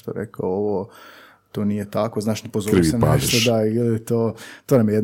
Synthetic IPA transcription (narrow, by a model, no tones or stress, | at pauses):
t̪oɾḛkaooʋo | t̪oːnijet̪ako̞znaːʃnepozoɾiisena̰ʃʃt̪od̪ailit̪oːt̪onamjejd̪